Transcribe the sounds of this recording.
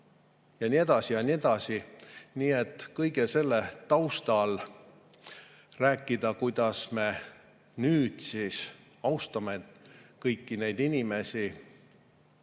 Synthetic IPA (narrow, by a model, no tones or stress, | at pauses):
jɑnie̞d̪̥ɑsijɑnied̪̥ɑsiniːe̞t̪ːˑkɤjɡ̥ese̞lːet̪ɑwst̪ɑl | ræːkːˑid̪̥ɑkujd̪̥ɑsme̞ | nyːd̪̥sis | ɑwst̪ɑmet̪kɤjkːine̞jd̪̥inime̞sʲi